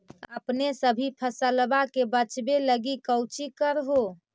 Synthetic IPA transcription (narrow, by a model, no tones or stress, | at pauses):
əpnesəbʱipʰəsəlbakebət͡ʃbeləɡikəwt͡ʃikəɾɦo